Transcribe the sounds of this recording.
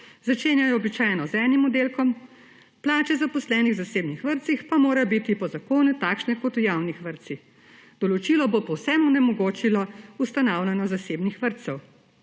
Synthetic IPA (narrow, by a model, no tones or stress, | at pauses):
zat͡ʃeːnjajɔːbit͡ʃaːjnɔzɛnimɔd̪eːlkɔm | plaːt͡ʃɛzapɔslɛːniɣzaseːbnixʋəɾt̪sixpamoːɾabit̪ipɔzakoːnut̪aːkʃnɛkɔt̪ujawnixʋəɾt̪six | d̪ɔlɔt͡ʃilɔbopɔwsɛmɔnɛmɔɡoːt͡ʃilɔust̪anaːwlʲanɔzaseːbnixʋəɾt̪sɛw